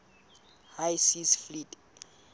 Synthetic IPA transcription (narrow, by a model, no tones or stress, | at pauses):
hajsisflitʼ